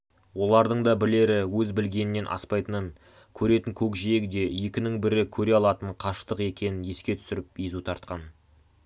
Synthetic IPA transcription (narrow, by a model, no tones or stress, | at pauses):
wo̞lˠɑɾd̪əɴd̪ɑbɪle̞ɾɪwɵzbɪlɡʲe̞nɪnːe̞nʔɑ̰spɑjt̪ənəŋ | kʲʰɵɾe̞t̪ɪŋkʲʰɵkʒejekd̪e̞je̞kʲɪnɪŋbɪɾɪkʲʰɵɾe̞ɑlˠɑt̪əɴqʰɑʃt̪əqe̞kʲe̞nɪnje̞skʲe̞t̪ʰʏsɪɾɪp̚izut̪ʰɑɾt̪̚qɑn